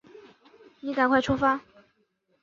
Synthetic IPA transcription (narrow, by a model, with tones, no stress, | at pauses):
ni˧˥ka˨˩nkʰwa˥˩ɪʈ͡ʂʰu˥fa˥